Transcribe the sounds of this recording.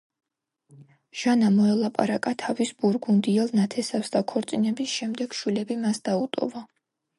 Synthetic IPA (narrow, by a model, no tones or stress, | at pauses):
ʒ̥anamɔɛlˠapʼa̰ɾakʼat̪ʰavisbuɾɡund̪iɛlˠnat̪ʰɛsafsd̪akʰɔɾt̪sʼinɛbisʃɛmd̪ɛɡ̥ʃwilɛbimasd̪aut̪ʼɔ̰va